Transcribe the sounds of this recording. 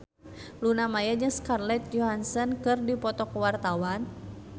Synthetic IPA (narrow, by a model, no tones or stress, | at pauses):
lunamajaɲəŋskarlɛt̪̚jɔɦansənkɨrdipɔt̪ɔkəwart̪awan